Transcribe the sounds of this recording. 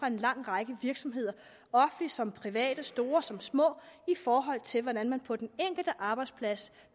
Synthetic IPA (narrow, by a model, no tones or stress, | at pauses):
ʁɑ̈e̝nlɑ̈ŋ̰ʁɑ̈ɡ̥əʋiɐɡ̥sɒ̽mɦe̝ð̞̰ˠɐ | ɒ̽fn̩lisɒ̽mpʰʁiʋɛ̰ːd̥əsd̥o̝ːɐsɒ̽msmɔ̰̽ːifɒːɦɒ̽l̰t͡sʰe̝lʋɒdænmænpʰɒ̽d̥eneŋ̰ɡ̥l̩d̥əʔɑ̈ːb̥ɑ̈ɪd̥spʰlæs